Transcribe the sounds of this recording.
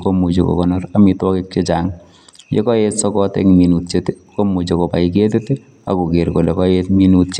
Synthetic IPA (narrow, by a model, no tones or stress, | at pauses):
komut͡ʃo̰kɔ̰kɔnɔramitwɔkɪk̚t͡ʃet͡ʃaŋ | jḛkɔjetsɔkɔtɛ̰ŋminut̚t͡ʃet | komut͡ʃokopa̰iketete | a̰kukeɾkolekɔjetminut̚t͡ʃe